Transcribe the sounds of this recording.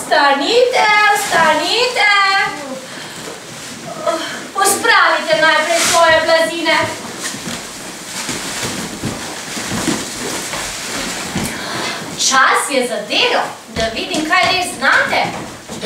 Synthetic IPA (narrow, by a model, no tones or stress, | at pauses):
st̪anit̪ɛst̪anit̪ɛ | pɔspɾaːʋit̪ɛnajpɾɛjsʋɔːjɛblad̪iːnɛ | t͡ʃasjɛzad̪eːlɔ | d̪aʋiːd̪imkajɾeːznaːt̪ɛ